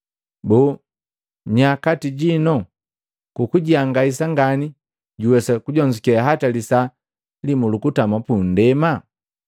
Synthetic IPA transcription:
bɔ | ɲakatiɟinɔ | kukuɟiaŋɡais̬aŋɡani | ɟuwɛsakuɟɔɲd͡ʒikɛaɦatalisa | limulukutamapun̩dɛma

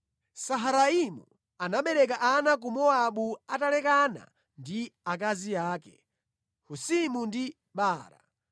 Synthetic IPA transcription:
saɦaɾaimṵ | anaɓɛɾɛk̬aʔanak̬umɔaɓuatalɛkana̰ | ndiak̬aziaːkɛ̰ | husimundi | ɓaːɾa̰

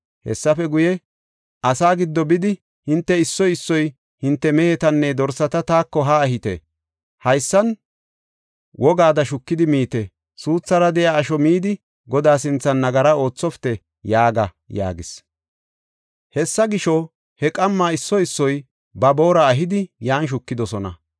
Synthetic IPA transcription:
hɛ̰sːɐfɛɡʊjɛ | ʔɐsaːɡɪd̪ːɔbɪd̪ɪ | hɪnt̪ːɛɪsːɔjɪsːɔj | hɪnt̪ːɛmɛhɛt̪ɐnːɛd̪ɔɾsɐt̪ɐt̪aːkːɔɦaːɦɪt̪ḛ | hɐjsːɐn | wʔɔɡaːd̪ɐʃʊkːɪd̪ɪmiːt̪ɛ | suːt͡sːɐɾɐd̪ɛjaːʃɔmiːd̪ɪ | ɡɔd̪aːsɪnt͡sːɐnːɐɡɐɾɐo̞ːt͡sːɔft̪ɛ | jaːɡɐ | ja̰ːɡɪs | hɛsːɐɡɪʃɔ | hɛkʼɐmːaːɪsːɔɪsːɔj | bɐbo̞ːɾɐːɦɪd̪ɪjaːnʃ̬ʊkːɪd̪ɔsɔnɐ̰

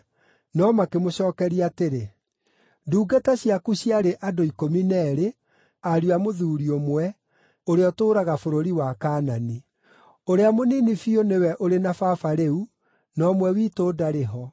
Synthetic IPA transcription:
nɔmakemoɕɔːkɛɾiateɾe | duːɡataɕjakuɕiaɾeʔadoikominɛɾe | aɾiamoðuːɾiomwɛ | oɾeɔtoːɾaɣafoɾoɾiwakaːnani | oɾeamoniːnifionewɛʔoɾenafafaɾeu | nɔmwɛwiːtoːdaɾeɦɔ

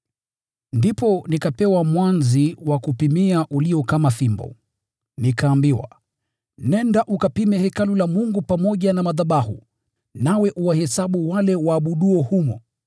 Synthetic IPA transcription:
ndipɔnikapɛwamwanziwakupimiaʔuliɔkamaθimbɔ̰ | nikaːmbiwa̰ | nɛndaʔukapimɛhɛkalulamuŋɡupamɔʄanamaðaɓahṵ | nawɛʔuwahɛsaɓuwalɛwaːɓuɗuɔhumɔ̰

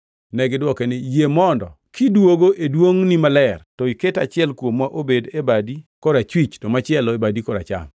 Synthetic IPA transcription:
nɛɡɪdwɔkɛnejemɔndɔ̰ | kidwoɡoʔedwoŋnimalɛrtɔiketat͡ʃɪɛlkwomwaʔobedebadikɔɾat͡ʃwit͡ʃtɔmat͡ʃɪɛlɔebadikɔɾa̰t͡ʃa̰m

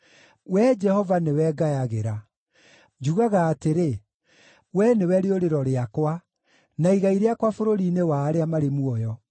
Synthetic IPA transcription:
wɛd͡ʒɛhɔvanewɛɡajaɣeɾa | d͡ʒuɣaɣaːteɾe | wɛnewɛɾeoɾeɾɔɾeakwa | naiɣaiɾeakwafoɾoɾiːnewaːɾeamaɾemuɔjɔ

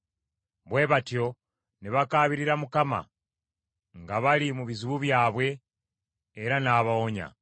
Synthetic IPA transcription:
βwe̞ːβatjo̞ | niβakaːβiɾiɾamukama̰ | ŋɡaβalimuβizuβuβjaːβwe̞ː | ɾanaːβaoɲa̰

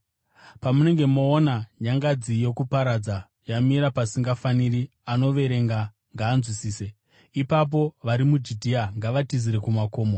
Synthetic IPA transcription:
pamune̞ŋɡe̞mo̞ːnajaŋɡad͡zijo̞kupaɾad͡za | jamiɾapasiŋɡafaniri | ano̞ʋe̞ɾe̞ŋɡa | ŋɡaːnzwisiːse̞ | ipap̬o̞ʋaɾimud͡ʒidʱiaŋɡaʋatiziɾe̞kumako̞ːmo

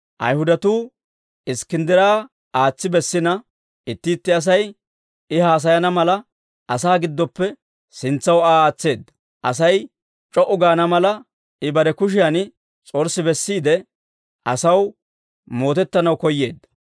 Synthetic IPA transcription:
ʔɐ̰jhʊd̪ɐt̪uː | ɪskɪnd̪ɪɾaː | aːt͡sːɪbɛsːɪnɐ | ɪt̪ːɪːt̪ːɪɐs̬ɐj | ɪhaːs̬ɐjɐnɐmɐlɐ | ʔɐsaːɡɪd̪ːɔpːɛ | sɪnt͡sːɐwaːaːt͡sːe̞ːd̪ːɐ | ʔɐ̰sɐj | t͡ʃʼɔʔʊɡaːnɐmɐlɐ | ɪbɐɾɛkʊʃ̬ɪjan | t͡sʼɔɾsɪbɛsːiːd̪ɛ | ʔɐsɐw | mo̞ːt̪ɛt̪ːɐnɐwkɔjːeːd̪ːɐ

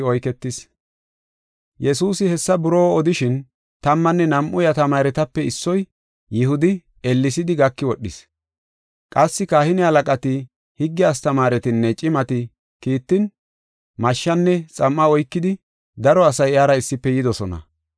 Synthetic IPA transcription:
ɔjkɛt̪ːɪs | jɛsuːsɪhɛsːɐbʊɾoːɔd̪ɪʃɪn | t̪ɐmːɐnːɛnɐmʔʊjɐt̪ɐmaːɾɛt̪ɐpːɛɪsːɔj | jɪhʊd̪ɪ | ɛlːɪsɪd̪ɪɡɐkːɪwɔɗːɪs | kʼɐsːɪkaːhɪnɪhɐlɐkʼɐt̪ɪ | hɪɡːɪjaːst̪ɐmaːɾɛt̪ɪnːɛt͡ʃʼɪmɐt̪ɪ | kiːt̪ːɪn | mɐʃːɐnːɛt͡sʼɐmːɐɔjkːɪd̪ɪ | d̪ɐɾɔɐsɐjaːɾɐɪsːɪpːɛjɪd̪ɔsɔnɐ̰

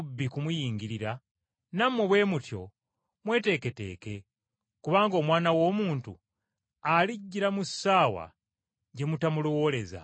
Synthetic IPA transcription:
bːikumujiːŋɡiɾiɾa | namːuβwe̞ːmutjo̞̰ | mwe̞ːte̞ːke̞te̞̰ːke̞ | kuβaːŋɡo̞ːmwaːnawo̞ːmuːntṵ | aliɟːiɾamusːaːwa̰ | ɟe̞mutamulowo̞le̞za̰

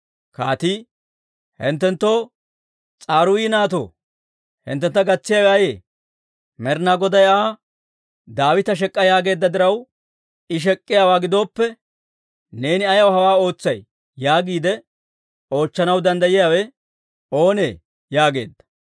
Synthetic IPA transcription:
kaːt̪iː | hɪ̰nt̪ːɛnt̪ːo̞ː | t͡sʼaːɾʊwiːnaːt̪o̰ː | hɪ̰nt̪ːɛnt̪ːɐɡɐt͡sːɪjawaːjḛː | mɛɾnaːɡɔd̪ɐjaː | d̪aːwɪt̪ɐʃ̬ɛkʼːɐjaːɡe̞ːd̪ːɐd̪ɪɾɐw | ɪʃ̬ɛkʼːɪjaːwaːɡɪd̪o̞ːpːɛ | ne̞ːnɪɐjɐwhɐwaːo̞ːt͡sːɐj | jaːɡiːd̪ɛ | o̞ːt͡ʃːɐnɐwd̪ɐnd̪ɐjɪjaːwɛ | o̞ːne̞ː | jaːɡe̞̰ːd̪ːɐ̥

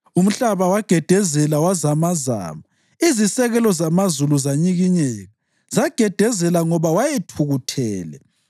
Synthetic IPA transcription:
um̩ɬaβawaɡ̥ʱɛd̥ʱɛzɛlawazamaza̰ːma | izisɛɣɛlɔzamazuluzaɲiɣiɲɛːɣa | zaɡ̥ʱɛd̥ʱɛzɛlaŋɔβawajɛtʰuɣutʰɛːlɛ̰

